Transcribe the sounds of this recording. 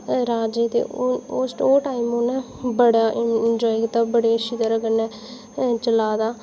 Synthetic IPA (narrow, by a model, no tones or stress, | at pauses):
ɾaːd͡ʒeːt̪ḛːosʈoːʈaːɪmonɛː | bəɽaːʔɪnd͡ʒɔːɪkt̪aːbəɽeːʃɪd̪əɾəɡənɛ̃ː | t͡ʃəlaːd̪aː